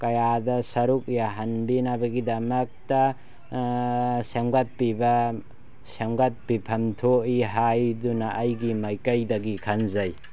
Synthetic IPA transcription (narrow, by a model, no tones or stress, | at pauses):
kɐjadɐsɐɾuk̚ijaɦɐnbinabɐɡidɐmɐk̚tɐ | semɡɐt̚pibɐ | semɡɐt̚pipʰɐmtʰoiɦajdunɐʔːjɡimɐjkɐjdɐɡikʰɐnzɐj